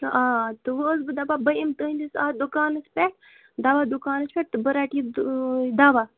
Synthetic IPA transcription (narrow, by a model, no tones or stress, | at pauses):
aːt̪ɨʋəːsbɨd̪ababɐimt̪ənʲd̪isad̪ukaːnɐspʲeʈ | d̪aʋad̪ukaːnɐspʲɛʈ̚t̪ɨbəɾaːʈi | d̪aːʋaː